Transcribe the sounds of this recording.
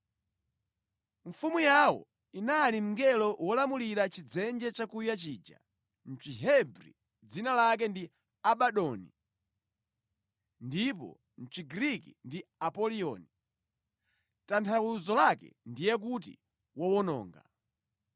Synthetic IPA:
ɱfumujawɔ̰ | inalim̩ŋɡɛlɔwɔlamuliɾat͡ʃid͡zɛnd͡ʒɛt͡ʃakujat͡ʃiːd͡ʒa̰ | n̩t͡ʃiɦɛbɾḭ | d͡zinalak̬ɛndi | aɓaɗɔnḭ | ndip̬ɔ̰ | n̩t͡ʃiɡɾikḭndiapɔliɔ̰ni | tantʰawuzɔlakɛ̰ndijɛk̬ut̬ḭ | wɔwɔnɔ̰ːŋɡa̰

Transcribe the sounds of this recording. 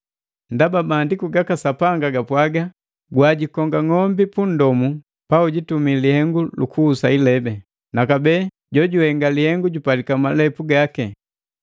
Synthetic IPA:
ndababaːndikuɡakasapaŋɡaɡapwaɡa | ɡwaɟikɔŋɡaŋɔmbipun̩dɔmu | pauɟitumilihɛŋɡulukuːsailɛbɛ | nakabɛː | ɟɔɟuhɛŋɡalihɛŋɡuɟupalikamalɛpuɡakɛ

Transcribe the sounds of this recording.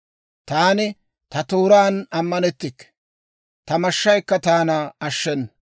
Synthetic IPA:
t̪aːnɪ | t̪ɐt̪oːɾaːnɐmːɐnɛt̪ːɪkː | t̪ɐmɐʃːɐjkːɐt̪aːnɐɐʃːɛnːɐ

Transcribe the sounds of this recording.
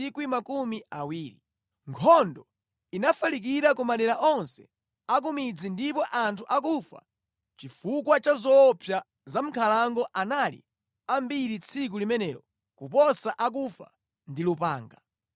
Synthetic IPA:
ikwimakumiawiːɾi | ŋkʰɔndɔ | inafalik̬iɾakumaɗɛɾaʔɔnsɛ | ak̬umid͡zindipɔʔantʰuʔakufa̰ | t͡ʃifukwat͡ʃazɔpʰja | zam̩kʰalaŋɡɔʔanalḭ | ambiɾit͡sʰik̬ulimɛnɛːɾɔ | kupɔsaʔak̬ufa̰ | ndilupa̰ːŋɡa

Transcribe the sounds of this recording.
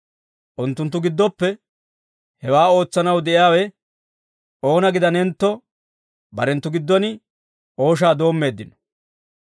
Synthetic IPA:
ʔʊnt̪ːʊnt̪ːʊɡɪd̪ːɔpːɛ | hɛwaːo̞ːt͡sːɐnɐwd̪ɛʔɪjaːwɛ | ʔo̞ːnɐɡɪd̪ɐnɛnt̪ːɔ | bɐɾɛnt̪ːʊɡɪd̪ːɔnɪ | ʔo̞ːʃ̬aːd̪o̞ːmːe̞ːd̪ːɪnɔ̥

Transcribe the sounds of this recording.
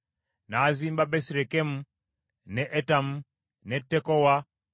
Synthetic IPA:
naːzimbabɛsɾɛkɛmu | nɛʔɛtamu | nɛtɛkɔwa

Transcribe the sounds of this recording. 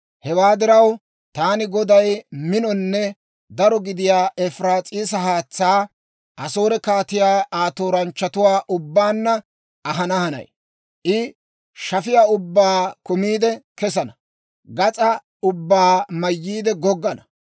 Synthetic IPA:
hɛwaːd̪ɪɾɐw | t̪aːnɪɡɔd̪ɐjmɪnɔnːɛ | d̪ɐɾɔɡɪd̪ɪjaːʔɛfɾaːt͡sʼiːs̬ɐhaːt͡sːaː | ʔɐso̞ːɾɛkaːt̪ɪjaːʔaːt̪oːɾɐnt͡ʃːɐt̪ʊwaːʔʊbːaːnːɐ | ɐɦɐnɐhɐnɐ̰j | ʔɪ | ʃɐfɪjaːʊbːaːkʊmiːd̪ɛkɛs̬ɐnɐ | ɡɐt͡sʼɐ | ʊbːaːmɐjːiːd̪ɛɡɔɡːɐnɐ

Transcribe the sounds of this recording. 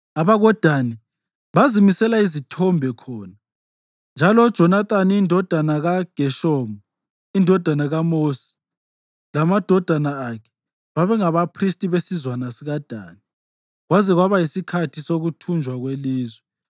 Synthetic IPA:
aβaɣɔd̥ʱani | βazimisɛlaizitʰɔmbʱɛkʰɔːna | nd͡ʒʱalɔd̥ʒ̥ʱɔnat̪ʼaniindʱɔd̥ʱanaɣaɡ̥ʱɛʃɔːmɔ | indʱɔd̥ʱanaɣamosi̥ | lamad̥ʱɔd̥ʱanaːkʰɛ̥ | βaβɛŋaβapʰristʼiβesizwanasiɣad̥ʱa̰ːni | ɣwazɛɣwaβajisikʰatʰisoɣutʰund͡ʒʱwaɣweliːzwɛ

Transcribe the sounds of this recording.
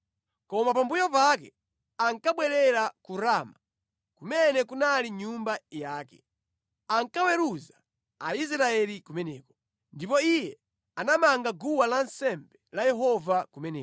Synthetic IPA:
kɔmapambujɔpak̬ɛ | aŋkaɓwɛɾɛɾakuɾaːma | kumɛnɛkunaliɲumbajaːkɛ̰ | aŋkawɛɾuza | ais̬ɾaɛlikumɛnɛːkɔ̥ | ndipɔijɛ | anamaŋɡaɡuwalansɛmbɛlajɛɦɔvakumɛnɛː

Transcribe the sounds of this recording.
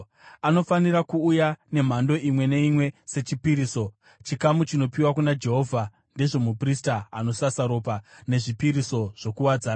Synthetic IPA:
ano̞faniɾakuːjane̞m̤ando̞imwe̞ne̞imwe̞se̞t͡ʃipiɾiːso̞ | t͡ʃikamut͡ʃino̞piwak̬unad͡ʒe̞ɦo̞vʱa | nde̞ʐo̞mupristaːno̞sasaɾo̞ːpane̞ʐipiɾiso̞ʐ̥o̞kuwad͡zaːna

